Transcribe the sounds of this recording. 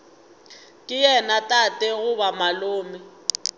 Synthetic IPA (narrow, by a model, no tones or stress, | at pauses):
kʼɪjɛnatʼatʼɛɣʊbamalʊːmɛ